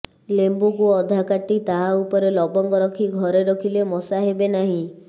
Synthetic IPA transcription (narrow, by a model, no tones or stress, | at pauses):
lembukuɔd̪ʱakaʈːit̪aɦaupɔɾelɔbɔŋkɔɾɔkʰiɡʱɔɾeɾɔkʰilemɔsaɦebenaɦĩ